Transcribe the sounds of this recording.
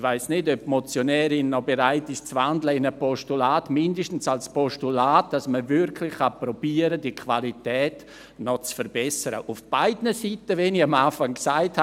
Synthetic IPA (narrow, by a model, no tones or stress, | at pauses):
vaɪsnɪdœpmɔt͡sjonɛːɾɪnːɔbeɾaɪtɪst͡svandləɪnəpɔʃtulaːtmɪndəʃtn̩salspɔʃtulaːt̚d̥asməvɪɾkʰlɪχapɾɔb̥iːəɾədikʰvalitɛːt | nɔt͡sfəɾbɛsəɾə̰ʔufb̥aɪdnəsitəvɛniamaːfaŋksaɪtha